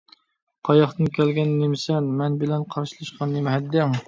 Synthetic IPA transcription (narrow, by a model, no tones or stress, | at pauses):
qʰɑjɑχt̪ɨnkʲʰɛlɡʲɛnːemɪsɛnmɛnbɪlɛnqʰɑɾʃilˠɨʃqʰɑnemɪɦɛd̪ːɛŋ